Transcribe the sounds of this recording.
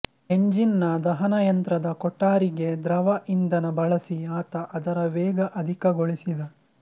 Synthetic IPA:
eɲd͡ʒinːɐd̪ɐɦɐnɐjɐnt̪ɾɐd̪ɐkɔʈːaːɾiɡe̞d̪ɾɐʋɐʔind̪ɐnɐbɐɭɐsiaːt̪ɐʔɐd̪ɐɾɐʋɛːɡɐʔɐd̪ʱikɐɡoɭisid̪ɐ

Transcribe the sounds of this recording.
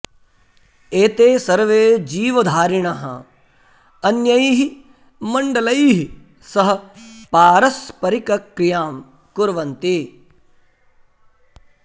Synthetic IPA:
eːt̪eːsɐɾʋeːd͡ʒiːʋɐd̪ʱaːɾiɳɐɦɐ̰ | ɐnjɐjiːɦi | mɐɳɖɐlɐjiːɦi | sɐɦɐ̆paːɾɐspɐɾikɐkɾijaːm | kʊɾʋɐnt̪i

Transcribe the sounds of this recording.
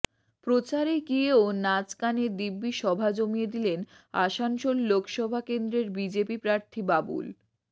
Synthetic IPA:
pɾot͡ɕaɾeɡieonat͡ɕkaneɾd̪ibːiʃɔbʱad͡ʑomijed̪ilen | a̰ʃanʃolːokʃɔbʱakend̪ɾeɾbid͡ʑepipɾaɾt̪ʰibabṵl

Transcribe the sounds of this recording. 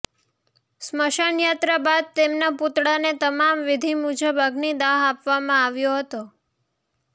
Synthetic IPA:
sməʃəɳjat̪ɾabad̪̚t̪emnaput̪ɽanet̪əmamʋɪd̪ʱimud͡ʒəbaɡnid̪aɦapʋamãaʋjoɦət̪o

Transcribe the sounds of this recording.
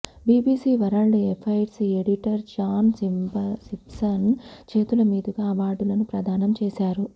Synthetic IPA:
biːbiːsiːʋɐɾaːɭːiepʰɐjɖsieɽiʈɐɾd͡ʒaːnsimbɐsipsɐnt͡ʃe̞ːt̪ulɐmiːd̪uɡaːʋaːɖulɐnupɾɐd̪ʱaːnɐmt͡ʃɛːsaːɾu

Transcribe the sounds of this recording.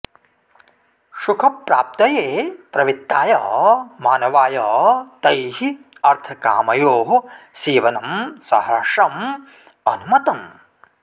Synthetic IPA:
ʃukʰɐpɾaːp̚t̪ɐjeːpɾɐʋit̪ːaːjɐmaːnɐʋaːjɐt̪ɐjɦiɐɾt̪ʰɐka̰ːmɐjoːɦsiːʋɐnɐmsɐɦɐʂɐm | ɐnumɐt̪ɐm

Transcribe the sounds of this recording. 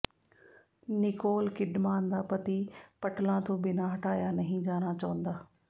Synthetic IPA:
nɪkoːlkɪɗmaːnd̪aːpɐt̪ipɐʈlãːt̪ʰõːbɪnaːɦɐʈaːjanɐɦĩd͡ʑaːɽ̃at͡ɕɐʋə̃nd̪aː

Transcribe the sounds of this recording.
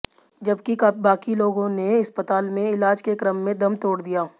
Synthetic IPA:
d͡ʒɐbkikbaːkiloːɡõneɪspət̪aːlmẽɪlaːd͡ʒkekɾəmːẽd̪ɐmt̪oːɽd̪ijaː

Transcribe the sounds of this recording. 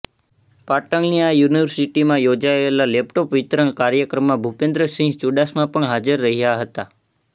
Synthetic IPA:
paʈəŋɡnijajuniʋəɾsiʈimãjod͡ʒaelalɛp̚ʈopʋit̪ɾəɳkaɾjəkɾəmːãbʱupẽnd̪ɾəsĩŋɡt͡ʃuɖasmãpəɳɦad͡ʒəɾːəɦijaɦət̪a

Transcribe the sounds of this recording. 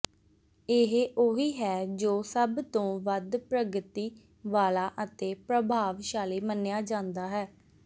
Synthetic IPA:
ɪɦʔoːɦiːɦɛːd͡ʒoːsəbt̪õːʋəd̪pɾəɡət̪iː | ʋaːlaːʔət̪eːpɾəbʱaːʋʃaːliːmənːejaːd͡ʒãːnd̪aːɦɛː

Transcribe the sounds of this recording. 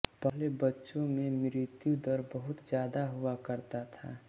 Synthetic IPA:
pəɦlebətːʃõmẽmɾɪt̪jud̪əɾbəɦʊt̪d͡ʒjaːd̪aɦuakəɾt̪at̪ʰa̰

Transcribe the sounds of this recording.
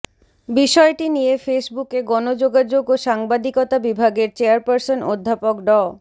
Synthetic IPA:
biʃɔeʈinijefesbukeɡɔnod͡ʑoɡad͡ʑoɡoʃaŋbad̪ikɔt̪abibʱaɡeɾt͡ɕeaɾpaɾsonod̪ʱːapokɖɔ

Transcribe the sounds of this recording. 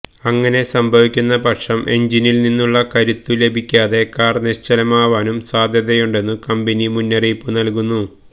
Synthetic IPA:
ɐŋːɐne̞sɐmbʱɐʋikʲːunːɐpɐʈʂɐmʔe̞̰ɲd͡ʑinilninːuɭːɐkɐɾut̪ːule̞bʱikʲːaːðe̞kaːrneɕt͡ɕɐlɐmaːʋaːnumsaːd̪ʱjɐd̪ɐjuɳɖe̞nːɨkɐmbenimunːɐriːpːɨnɐlkunːu

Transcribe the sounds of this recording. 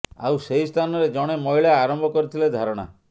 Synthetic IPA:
a̰wsejst̪ʰanɔɾed͡ʒɔɽ̃emɔiɭaaɾɔmbʱɔkɔɾit̪ʰiled̪ʱaɾɔɽ̃a̰

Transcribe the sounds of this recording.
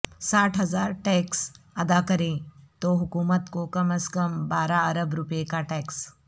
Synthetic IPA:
saːʈʰɦɐzaːɾʈɛːks | ɐd̪akɐɾẽt̪oɦʊkuːmət̪kokɐməskəmbaːɾaɐɾəbɾupekaʈɛːks

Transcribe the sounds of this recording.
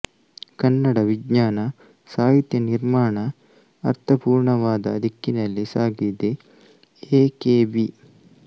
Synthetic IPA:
kɐnːɐɽɐʋiɡɲaːnɐ | saːɦit̪jɐniɾmaːɳɐ | ɐɾt̪ʰɐpuːɾɳɐʋaːd̪ɐ̰ːd̪ʱikːinɐlːisaːɡid̪e | eːkeːbi

